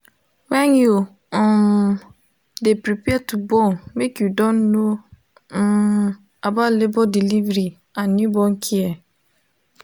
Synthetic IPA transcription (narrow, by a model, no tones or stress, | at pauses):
wɛ̃nju | depɾipɛtubɔnmekjudɔ̃nːo | abalebɔdilivɾi | ãnːubɔ̃nkʰiɛ